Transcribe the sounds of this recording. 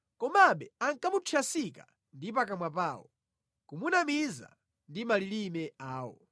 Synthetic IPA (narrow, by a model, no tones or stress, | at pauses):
kɔmaɓɛaŋkamut͡ʃʰiasika | ndipakamwap̬aːwɔ̰ | kumunamiza̰ | ndimalilimɛaːwɔ̰